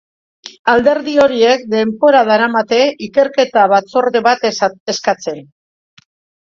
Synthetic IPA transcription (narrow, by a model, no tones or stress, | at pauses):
ald̪e̞ɾðio̞ɾie̞k̚d̪e̞mpoɾaðaɾamat̪e̞ike̞ɾke̞t̪aβat͡soɾðeβat̪eskat͡se̞n